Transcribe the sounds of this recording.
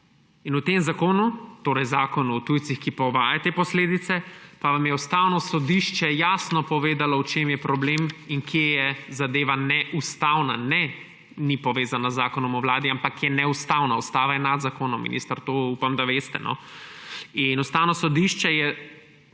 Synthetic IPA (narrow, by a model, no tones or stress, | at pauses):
inut̪emzakoːnut̪oːɾɛjzaːkɔnut̪ujt̪sixkipɔʋaːjat̪eːpɔsleːd̪it̪sɛpaʋamjɛust̪awnɔsɔd̪iʃt͡ʃɛjaːsnɔpɔʋeːd̪alɔwt͡ʃemjɛpɾɔblemiŋkʰjejɛzad̪eːʋanɛʔust̪awnanɛ | nipɔʋeːzanazːaːkɔnɔmɔʋlaːd̪iampakjɛnɛust̪aːwnaust̪aːʋajɛnad̪zakoːnɔmːḭnʔḭst̪aɾt̪oːupamd̪aʋeːst̪ɛ̰nɔ̰ | inust̪aːwnɔsɔd̪iʃt͡ʃɛjɛ